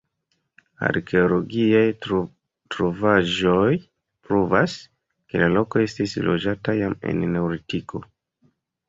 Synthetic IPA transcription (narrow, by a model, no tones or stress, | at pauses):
a̰ɾkʰe̞olo̞ɡiaj | tɾovaʒo̞j | pɾuvas | ke̞lalo̞ko̞e̞stislo̞d͡ʒatajame̞̰nːe̞wɾitikʰo̞